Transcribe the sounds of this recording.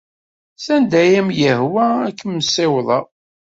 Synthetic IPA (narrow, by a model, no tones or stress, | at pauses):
sænd̪æjæmjəhwæːkːəmməsɪwðˤɑ